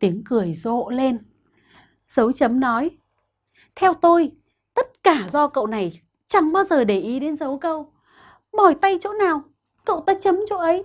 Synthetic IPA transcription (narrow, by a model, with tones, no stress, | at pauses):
t̪i˨˦əŋkɨ˨˩əjzo̰˧˨le˧n | z̥ə˨˦wt͡ɕə˨˦mnɔ˨˦j | t̪ʰɛ˧wt̪o˧j | t̪ə˦˥t̚kaː˧˩zɔ˧kə̰˧˨wna˨˩j | t͡ɕa˨˩ŋɓaː˧wzəː˨˩ɗe˧˩ʔi˨˦ɗe˨˦nzə˨˦wkə˧w | ɓɔ˨˩jt̪a˧jt͡ɕo̰˧˥naː˨˩w | kə̰˧˨wt̪aː˧˥t͡ɕə˨˦mt͡ɕo̰˧˥ʔə˨˦j